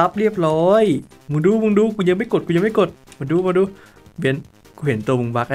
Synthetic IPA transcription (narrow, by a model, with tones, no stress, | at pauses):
a˦˧p̚li˧˩əp̚lɔː˧j | mɯ˧˦ŋduː˧mɯ˧ŋduː˧kuː˧˦ɲəː˧˦ma˧˩ko˨˩t̚kuː˧˦ɲə˧˦ma˧˥˩ko˨˩t̪̚mɨ˧˦nduː˧mɯ˧duː˧ | bi˧˩ən | ku˧he˨˩˦nt̪u˧˨mɯ˧ŋbaː˧˥k̚a˧